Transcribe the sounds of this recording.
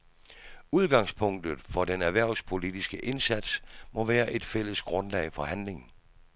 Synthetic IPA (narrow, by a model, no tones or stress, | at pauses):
uð̞ˠɡ̥ɑ̈ŋspʰɔ̽ŋ̰d̥ð̩ˠfɒ̽d̥enæʋæɐ̰ʊspʰo̝lid̥isɡ̥əʔe̝nsæd̥smɒ̽ʋæːɐʔe̝d̥fel̰əsɡ̥ʁɔ̽nlɛ̰ɪfɒ̽hænle̝ŋn̩